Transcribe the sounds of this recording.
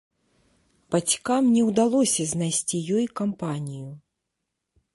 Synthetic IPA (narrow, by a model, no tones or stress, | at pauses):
pat͡sʲkamnʲɛwd̪alˠɔsʲɐzʲnajsʲt͡sʲijɔjkampanʲiju